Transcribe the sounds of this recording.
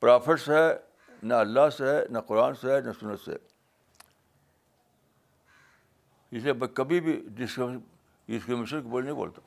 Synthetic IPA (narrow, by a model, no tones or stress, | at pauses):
pɾaːpʰɪʈsɛ | nɐɐlːasenɐqʊɾaːnsenɐsʊnːət̪sḛː | ɪsebɐkɐbibʱiɖɪsk | ɖɪskɾɪmeʃənkibolnɐɦĩbo̰ːlt̪aː